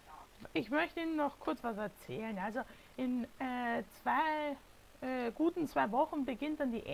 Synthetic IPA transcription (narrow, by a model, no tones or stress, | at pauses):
ɪçmœçtəiːnənːɔχkʰʊɐt͡sv̥asɛɐt͡sɛːlənʔalzo | ʔɪnɛːt͡sv̥aɪ | ɛːɡ̥uːtn̩t͡sv̥aɪvɔχn̩bəɡɪnt̚d̥andiːʔe